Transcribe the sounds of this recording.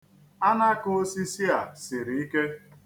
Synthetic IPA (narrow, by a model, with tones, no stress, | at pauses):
a˦na˦ko˦si˦si˦a˨sɪ˨ɾi˨i˦ke˦